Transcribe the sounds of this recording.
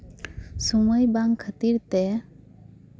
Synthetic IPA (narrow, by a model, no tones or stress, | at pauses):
suməjbaŋkʰət̪iɾt̪ɛ